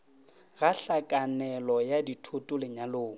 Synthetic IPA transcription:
ɣaɬakʼanɛlɔjaditʰʊtʼʊlɪɲaloːŋ̩

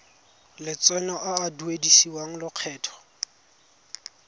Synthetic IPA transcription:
lɪt͡sʼɛnɔʔaːduedisiwaŋ̩lʊq͡χʰɛːtʰɔ̥

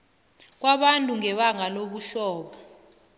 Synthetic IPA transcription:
k̬waɓantʼuŋɛɓaŋaloɓuɬɔːɓɔ

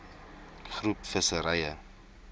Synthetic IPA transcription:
χrupfəsəɾɛjə

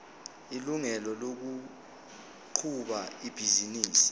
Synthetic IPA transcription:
iluŋɛlɔlok̬u | ǃʰuɓaib̥ʱiziniːsi̥

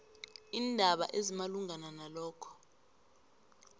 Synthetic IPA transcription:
iːndʱaɓa̰ʔezimaluŋʱananalɔːkʰɔ̥

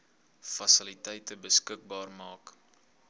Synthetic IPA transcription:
fɐsəlitɛjtəbəskək̚bɑːrmɑːk

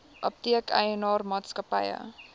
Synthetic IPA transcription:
ʔəp̚tiəkʰɛ̰jənɑːrmɑːtskəpɐjə̰

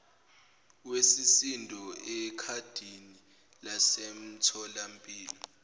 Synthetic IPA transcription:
wesisindʱɔɛkʰad̥ʱini | lasem̩tʰɔlampʼiːlɔ

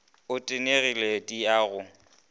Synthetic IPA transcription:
ʊtʼɪneɣiledʼiaːɣʊ

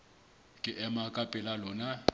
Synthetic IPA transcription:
kʼɪʔɛmakʼapʼɪlalɔːna

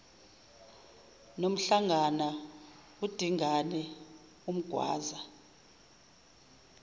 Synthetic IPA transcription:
nom̩ɬaŋʱana | ud̥ʱiŋʱanɛ | um̩ɡ̥ʱwa̰ːza

